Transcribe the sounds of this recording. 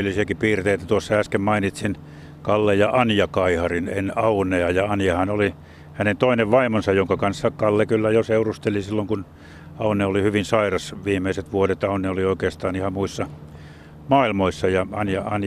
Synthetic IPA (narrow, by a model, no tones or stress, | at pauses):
ilːisiækipiːrt̪eːt̪ːæt̪uosːɑæskemmɑinit̪sin | kɑlːejjɑʔɑnjɑkɑihɑrinenɑuneɑjɑɑnjɑhɑnoli | hænent̪oineʋʋɑimonsɑjjoŋkɑkɑnsːɑkɑlːekylːæjoseurust̪elisilːoŋkun | ɑuneolihyʋinsɑirɑsʋiːmːˑeiset̪ʋuodet̪ɑuneolioikeːst̪ɑːnihɑmmuisːɑ | mɑːilmoisːɑjɑɑnjɑɑn